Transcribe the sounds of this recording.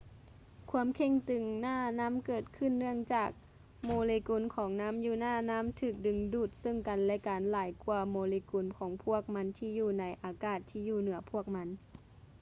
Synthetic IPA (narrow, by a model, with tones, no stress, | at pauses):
kʰu˧˥ə˨mkʰe˧˩ŋt̪ɯ˨˩ŋnaː˧˥˩na˦˥˨mkɤː˨˩t̪̚kʰɯ˧˩˨nːɯ˧˩əŋt͡ɕaː˨˩k̚ | moː˧˦leː˧ku˧˩nkʰɔː˨˩˦ŋnaː˦˥˨mjuː˧˩naː˧˥˩na˦˧˥mt̪ʰɯː˧˩k̚dɯ˨˩ŋduː˧˩t̪̚sɤ˧˥˨ŋka˨nlɛ˦˧˥kaː˨nlaː˨˩˦jku˧ɐmoː˨˧leː˧ku˨˧˩nkʰɔː˩˦ŋpʰu˥˩ək̚ma˧˦˥nt̪ʰiː˧˩juː˧˩na˧˥jʔaː˨˧kaː˧˩t̪ʰːiː˧˨juː˧˩nɯ˩˦ɐpʰu˥˩ək̚ma˧˥n